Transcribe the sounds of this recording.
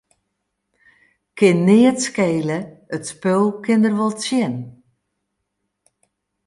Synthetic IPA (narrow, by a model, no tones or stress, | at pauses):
kʰɪnːɪətskeːləətspølˠkʰɪndərʋɔlˠt͡sjɪn